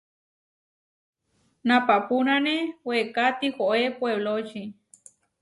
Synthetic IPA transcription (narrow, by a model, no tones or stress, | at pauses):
napapunanewekat̪ihoʔepweβlot͡ʃi